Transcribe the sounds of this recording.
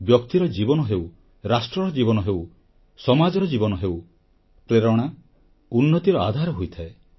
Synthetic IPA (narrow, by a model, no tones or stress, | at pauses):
bjɔkt̪iɾɔd͡ʒibɔnɔɦew | ɾasʈɾɔɾɔd͡ʒibɔnɔɦew | sɔmad͡ʒɔɾɔd͡ʒibɔnɔɦeuw | pɾeɾɔɽ̃a | unːɔt̪iɾɔa̰d̪ʱaɾɔɦojt̪ʰae